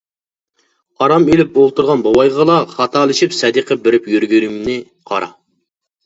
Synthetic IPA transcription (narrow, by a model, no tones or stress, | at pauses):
ɑɾɑmelɪp̚olˠt̪uɾʁɑnbɑwɑjʁəlˠɑχɑt̪ʰɑlˠɪʃipsɛd̪iqʰəbɪɾɪpjøɾɡʲyɾymnɪ | qʰɑ̰ɾɑ̰